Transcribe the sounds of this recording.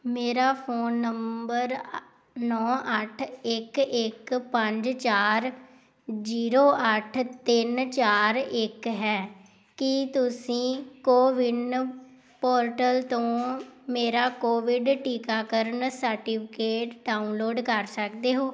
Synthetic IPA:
meːɾaːpʰoːnːəmbəɾ | nɔːʔəʈʰɪkɪkpə̃ɲd͡ʒt͡ʃaːɾ | d͡ʒiːɾoːʔəʈʰt̪ɪnt͡ʃaːɾɪkɦɛː | kɪt̪ʊsĩːkoːʋɪɖ | poːɾʈəlt̪õːmeːɾaːkoːʋɪɖʈiːkaːkəɾəɳsəɾʈiːpʰɪkeːʈɖaːunloːɖkəɾsəkd̪eːɦoː

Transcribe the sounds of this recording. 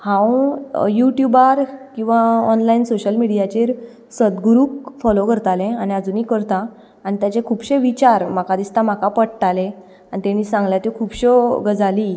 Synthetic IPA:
hãwjuʈjubaɾkĩw̃ʋaɔnlaiːnsoɕəlmiɽijat͡ɕeɾ | səd̪ɡuɾuːkfɔlokəɾt̪alẽañiəd͡zuːniːkəɾt̪aː | nit̪jat͡ɕekʰuːbɕeʋit͡ɕaɾm̤akad̪ist̪am̤akapəɽʈ̪alẽ | anit̪eñisãŋɡljat̪ekʰuːbɕɔɡəd͡zali

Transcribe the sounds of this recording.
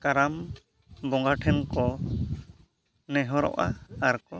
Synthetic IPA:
kaɾam | bɔŋɡaʈʰɛnkɔ | nɛɦɔɾɔ̰ʔa̰aɾkɔ

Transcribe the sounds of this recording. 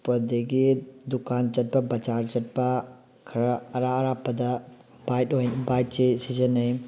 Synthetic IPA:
pɐdiɡidukant͡ʃɐt̚pɐbɐt͡ʃaɾt͡ʃɐt̚pɐ | kʰɐɾɐːɾaɐɾapːɐdɐ | bajt̚ojnbajt̚t͡ʃesizɐnɐj

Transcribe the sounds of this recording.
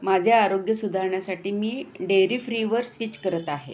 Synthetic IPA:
mad͡ʑʱjaːɾoɡjəsud̪ʱaɾɳjasaʈiːmiːɖeɾiːfɾiʋəɾsʋit͡ɕkəɾət̪aɦḛ

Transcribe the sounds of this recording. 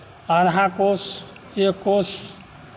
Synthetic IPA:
əɾɦãkos | ekos

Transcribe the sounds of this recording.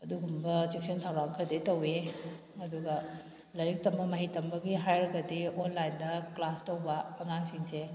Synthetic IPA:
ɐduɡumbɐsik̚sintʰawɾaŋkʰɐditɐwe | ɐduɡɐ | lɐɾik̚tɐmbɐmɐɦitɐmbɐɡiɦajɾɐɡɐdionlajndɐklastɐwbɐkɐŋaŋsiŋse

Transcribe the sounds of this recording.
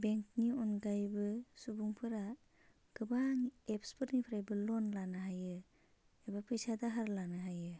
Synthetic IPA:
beŋkniɔnɡajbɯsubuŋpʰɯɾa | ɡ̥ɯbaŋepʰspʰɯɾnipʰɾajbɯlɔnlanaɦajɯ | ebapʰɯjsadaɦaɾlanaɦajɯ

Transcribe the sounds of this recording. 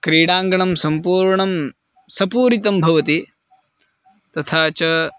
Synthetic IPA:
kɾiːɽaːŋɡɐɳɐmsɐmpuːɾɳɐm | sɐpuːɾit̪ɐmbʱɐʋɐt̪i | t̪ɐt̪ʰaːt͡ʃɐ

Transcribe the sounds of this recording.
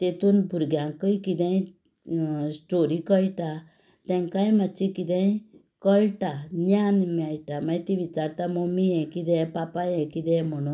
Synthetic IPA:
t̪et̪unbuɾɡjaŋkɯjkid̪ej̃ | sʈoɾikɔjʈa | t̪ɛŋkajmat͡ʃikid̪eĩ | kɔjʈananmajʈamajt̪iβit͡ʃaɾt̪amomiɛ̃kid̪ɛ̃papajẽkid̪ɛ̃mɔno

